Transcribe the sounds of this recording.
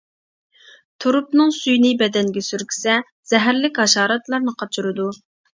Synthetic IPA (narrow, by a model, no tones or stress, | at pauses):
t̪ʰuɾupnɨŋsyjnɪbɛd̪ɛŋɡʲɛsyɾkʲʰi̥sɛ | z̥ɛɦæɾlɪkʲhɑʃɑːɾɑt̪lˠɑɾnɨqʰɑt͡ʃʰyɾɨd̪u